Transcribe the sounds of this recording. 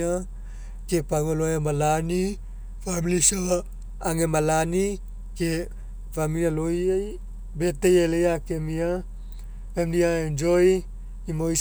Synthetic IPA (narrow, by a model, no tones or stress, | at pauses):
a | kepaŋoloemalani | familisaa | aŋemalani | ke | pamilialojaj | betejelejakemia | emdiaend͡ʒoj | imoj